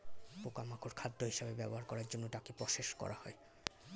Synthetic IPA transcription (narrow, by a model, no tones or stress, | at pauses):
pokamakʰoɾkʰad̪ːoɦiʃabebɛboɦaɾkɔɾaɾd͡ʑonːoʈakepɾɔʃeʃkɔ̰ɾahɔe